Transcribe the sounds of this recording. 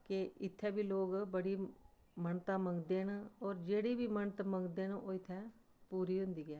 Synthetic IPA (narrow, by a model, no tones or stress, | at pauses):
keɪt̪ʰːɛ̃ːbiːloːɡbəɽiː | məɳt̪ãːməŋɡd̪eːnɔːɾd͡ʒeːɽiːbiːmənt̪məŋɡd̪eːnoːɪt̪ʰːɛ̃ː | puːɾiːɦʊ̃nd̪iːɡɛː